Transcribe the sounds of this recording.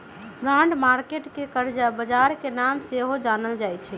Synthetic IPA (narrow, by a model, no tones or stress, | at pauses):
bɾaɳɖmaɾkeʈkekəɾd͡ʒabəd͡ʒaɾkenamseɦod͡ʒanəld͡ʒajt͡ʃʰɛ